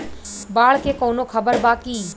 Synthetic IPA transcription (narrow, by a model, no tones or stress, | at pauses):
baːɭkʰeːkoːnokʰəbəɾbaːkiː